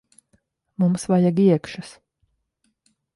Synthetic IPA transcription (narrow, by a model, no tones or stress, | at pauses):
mumsvajaɡiɛkʃas